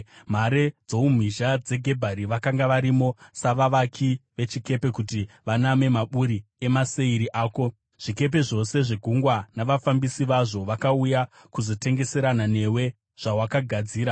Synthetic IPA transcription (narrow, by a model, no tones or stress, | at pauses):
m̤aɾe̞d͡zoum̤iʒad͡ze̞ɡʱe̞bʱaɾiʋakaŋɡaʋaɾimo̞saʋaʋakʰiʋe̞t͡ʃike̞pe̞kuti | ʋaname̞maɓuɾie̞mase̞iɾiʔaːko̞ | ʐ̥ike̞p̬e̞ʐo̞se̞ʐeɡʱuŋɡwanaʋafambisiʋaʐo̞ʋakauja | kuzo̞te̞ŋɡe̞se̞ɾanane̞we̞ | ʐ̥awakaɡʱad͡ziːɾa